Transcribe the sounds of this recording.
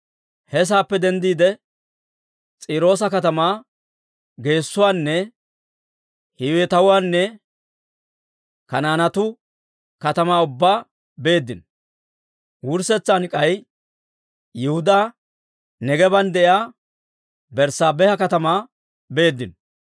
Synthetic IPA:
hɛs̬aːpːɛd̪ɛnd̪iːd̪ɛ | t͡sʼiːɾo̞ːs̬ɐkɐt̪ɐmaː | ɡe̞ːsːʊwaːnːɛ | hɪwɛt̪ɐwʊwaːnːɛ | kɐnaːnɐt̪ʊ | kɐt̪ɐmaːʊbːaː | be̞ːd̪ːɪn | wʊɾsɛt͡sːankʼɐj | jɛhʊd̪aː | nɛɡɛbɐnd̪ɛʔjaː | bɛɾsaːbɛhɐkɐt̪ɐmaː | be̞ːd̪ːɪn

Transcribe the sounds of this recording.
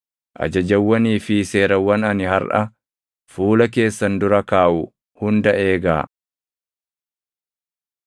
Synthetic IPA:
ʔɐ̰d͡ʒɐd͡ʒɐwːɐniːfɪse̞ːɾɐwːɐnɐnɪhɐɾʔɐ | fuːlɐke̞ːsːɐnd̪ʊɾɐkaːʔʊ | hʊnd̪ɐʔe̞ːɡa̰ː

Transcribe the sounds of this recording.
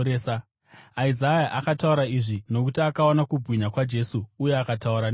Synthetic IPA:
eːsa | aizajaʔakatauɾaiʐino̞kutiakaonakubʱwiɲakwad͡ʒe̞suːjeakatauɾan

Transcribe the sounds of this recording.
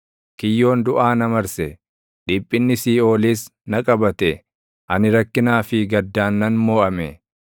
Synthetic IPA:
kɪjːo̞ːnd̪ʊʔaːnɐmɐɾsɛ | ᶑɪpʼːɪnːɪsiːo̞ːliːsnɐkʼɐbɐt̪ɛ | ʔɐnɪɾɐkːɪnaːfɪɡɐd̪ːaːnːɐnmo̞ːʔɐmɛ

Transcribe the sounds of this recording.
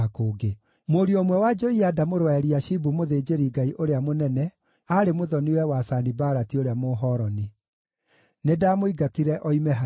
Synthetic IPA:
akoːɡe | moɾiomwɛwad͡ʒɔiadamoɾwaɛɾiaʃibumoðeːd͡ʒeɾiɡaiʔoɾeamonɛnɛ | aɾemoðɔniwɛwasanibaɾatioɾeamoːɦɔːɾɔni | nedaːmoiɡatiɾɛʔɔimɛɦa

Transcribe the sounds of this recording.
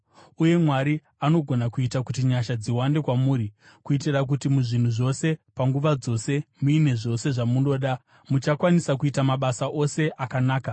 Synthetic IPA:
uje̞mwaɾi | ano̞ɡʱo̞nakuitakutiɲaʃad͡ziwande̞kwamuːɾi | kuitirak̬utimuʐin̤uʐo̞se̞paŋɡuʋad͡zo̞se̞muine̞ʐo̞se̞ʐamuno̞ːɗa | mut͡ʃakwanisakuitamaɓasaʔo̞se̞ʔakanaːka

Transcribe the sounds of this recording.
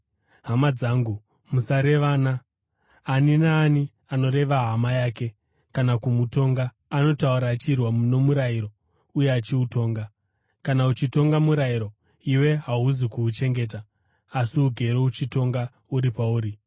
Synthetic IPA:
ɦamad͡zaːŋɡu | musaɾe̞ʋaːnaː | ninaːni | ano̞ɾe̞ʋaɦamajaːke̞ | kanakumuto̞ŋɡaː | no̞tauɾaːt͡ʃirwamuno̞muɾajiɾo̞ | uje̞at͡ʃiuto̞ːŋɡa | kanaut͡ʃito̞ŋɡamuɾaiɾo̞ | iwe̞ɦaɦuzikuːt͡ʃe̞ŋɡe̞ːt̬aː | siuɡʱe̞ɾout͡ʃito̞ŋɡa | uɾipauːɾi

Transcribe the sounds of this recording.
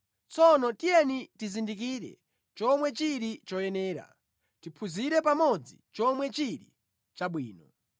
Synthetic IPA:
t͡sɔnɔtijɛnitizindikiɾɛ̰ | t͡ʃɔmwɛt͡ʃiɾit͡ʃɔjɛnɛːɾa̰ | tipʰuziɾɛpamɔd͡zit͡ʃɔmwɛt͡ʃiɾḭ | t͡ʃaɓwiːnɔ

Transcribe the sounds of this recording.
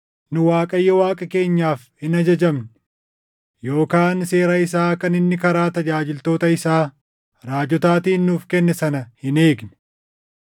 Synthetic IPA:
nʊwaːkʼɐjːɔwaːkʼɐke̞ːɲːaːfhɪnɐd͡ʒɐd͡ʒɐmn | jo̞ːkaːnse̞ːɾɐɪs̬aːkɐnɪnːɪkɐɾaːt̪ɐd͡ʒaːd͡ʒɪlt̪o̞ːt̪ɐɪsaː | ɾaːd͡ʒɔt̪aːt̪iːnːuːfkɛnːɛsɐnɐhɪne̞ːɡnɛ̥

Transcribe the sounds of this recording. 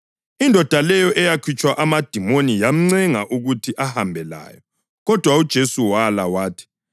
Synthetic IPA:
indʱɔd̥ʱalɛjɔʔɛjakʰit͡ʃʼwaʔamad̥ʱimonijam̩ŋ͡ǀɛŋaʔuɣutʰiʔahambʱɛla̰ːjɔ | ɣɔd̥ʱwaud̥ʒ̥ʱesuwalawaːtʰi̥

